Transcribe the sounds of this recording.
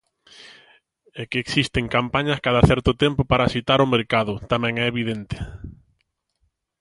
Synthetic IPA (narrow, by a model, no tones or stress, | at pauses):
ɛkeːksist̪eŋkampaɲɐskaðɐθɛɾt̪ʊt̪ɛmpʊpaɾaːsit̪aɾʊmeɾkaðʊt̪amɛ̃ŋɛeβiðent̪ɪ̥